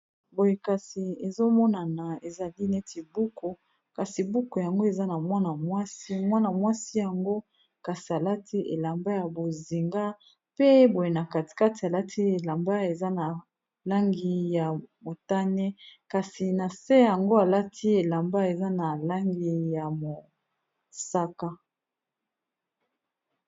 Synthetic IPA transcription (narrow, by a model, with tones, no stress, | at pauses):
bo˨je˨ka˨si˨e˨zo˦mɔ˦na˨na˨e˨za˨li˦ne˦ti˨bu˦kʰo˨ | ka˨si˨bu˦ko˨ja˨ŋɡo˦e˨za˦na˨mwa˦na˨mwa˦si˦mwa˦na˨mwa˦si˦ja˨ŋɡo˦ | ka˨si˨a˨la˦tʰi˦ʔḛ˨la˨mba˦ja˨bo˨zi˨ŋɡa˦ | pe˦bo˨je˨na˨ka˨ti̥˨ka˦ti˨a˨la˦tʰi˦e˨la˨mba˦e˨za˦na˨ | la˦ŋɡi˦ja˨mo˨ta˦ne˦ka˨si˨na˨se˦ja˨ŋɡo˦a˨la˦tʰi˦e˨la˨mba˦e˨za˦na˨la˦ŋɡi˦ja˨mo˨ | sa˦ka˦